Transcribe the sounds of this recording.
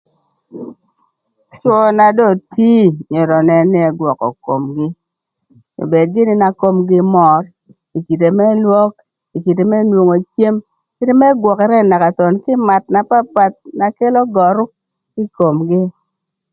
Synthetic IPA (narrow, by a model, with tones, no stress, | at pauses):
t͡ʃɔ˦˨na˨dɔ˦˨ti˦ɲo˨ɾɔ˨nɛ˨ni˦ɛ˨ɡwɔ˨kɔ̰˨ko̰˨mɡɪ˦ | o̰˨be˨d̚ɡɪ˦nɪ˦na˨ko˦mɡɪ˦mɔ˨r | i˨ki˨t̬e˨mɛ˦lwɔ˦k̚ | i˨ki˨te˨mɛ˦nwo˨ŋo˨t͡ʃje˦m | ki˦te˦mɛ˦ɡwɔ˨kɛ˨ɾɛ˦˨na˨ka˨tɔ˨nkɪ˦ma˨t̚na˨pa˦pa˨t̚na˨ke˦lo˦ɡɔ˨ɾʊ˦ | kɪ˦ko˨mɡɪ˦